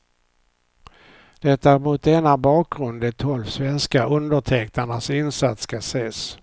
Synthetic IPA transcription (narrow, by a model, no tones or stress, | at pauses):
d̪̥ɛt̪ːaɾmut̪̚d̪ɛnːabɑːk̚ɡɾɵnd̪ɛt̪ʰɔlvsvɛnskaʔɵnd̪əʈʰɛkt̪aɳasɪnsat̪skaseːs